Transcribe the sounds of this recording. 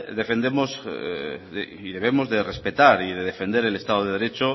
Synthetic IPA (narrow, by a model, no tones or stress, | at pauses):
d̪e̞fe̞nd̪emoz | e | iðe̞β̞e̞mo̞zðe̞re̞spe̞t̪aɾiðeðefe̞nd̪e̞ɾele̞st̪aðoðe̞ðe̞ɾe̞t͡ʃo